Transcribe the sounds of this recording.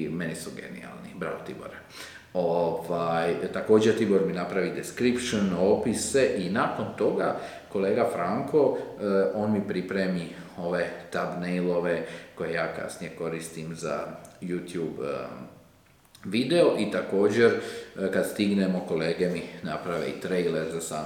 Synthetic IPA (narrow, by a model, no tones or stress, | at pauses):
me̞nisuɡe̞̰nḭa̰lˠnibɾa̰ot̪ḭbo̰ɾe | oʋajt̪ako̞ːd͡ʑeɾt̪ibo̞ɾminapɾaʋid̪eskɾipʃonopise̞ʔinaːko̞nt̪o̞ɡa | ko̞le̞ːɡafɾaŋko̞o̞ːnmipɾipɾemio̞ʋe̞t̪abnejlˠo̞ʋe̞ko̞je̞jaːka̰snijeko̞ɾist̪imza̰juːt̪juːb | ʋid̪e̞o̞ʔit̪ako̞ːd͡ʑe̞ɾkad̪st̪iɡnemo̞ko̞leːɡeminapɾaʋḛḭt̪ɾejleɾzasaː